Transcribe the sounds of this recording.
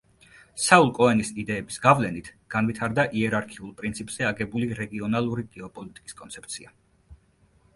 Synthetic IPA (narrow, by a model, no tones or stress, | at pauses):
saulˠkʼɔɛnisid̪ɛːbisɡavlɛnit̪ʰɡ̥anvit̪ʰaɾd̪aʔiɛɾaɾkʰiulˠpʼɾint̪sʰipʼz̥ɛaɡɛbuliɾɛɡiɔnalˠuɾiɡɛɔpʼɔlit̪ʼi̥kʼiskʼɔnt̪sʰɛ̥p̚ʰt̪sʰia